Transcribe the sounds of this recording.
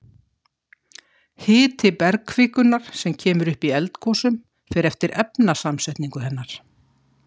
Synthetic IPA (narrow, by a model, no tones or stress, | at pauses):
hɪːt̪ʰɪpɛɾkʰvɪːkʏnaɾ̥sɛmcʰɛːmʏɾʏhpiɛlt̪kʰɔsʏm | fɪːɾɛft̪ɪɾɛpnasamsɛjht̪niŋkʏɦɛnːaɾ̥